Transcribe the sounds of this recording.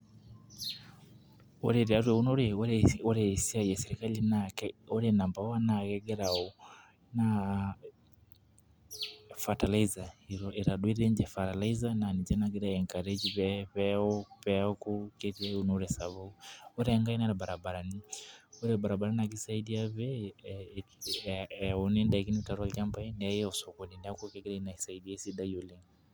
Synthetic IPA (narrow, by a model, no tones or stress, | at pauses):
ɔ̰ɾɛɾaɾwɛunɔɾɛɔɾɛɔɾɛisiajɛsɛɾikalinakɔɾɛnambawanakɛɡɛɾaɔ | na | fatalaizaiɾɔiɾaɗwiɾɛɲd͡ʒɛfatalaizananid͡ʒɛnaɡɛɾajɛŋkaɾɛd͡ʒiβɛβɛɔpɛɔkukɛtɛunuɾɛsaβawɔɾɛŋɡainaɾabaɾabaɾaniɔɾɛbaɾabaɾaniak̬isaidiaβɛ | ɔnɛndakiniutaɾalambainɛajɛɔsɔkɔdinakɔkɛkɛɾainaisaidiaisiɗajɔliŋɡ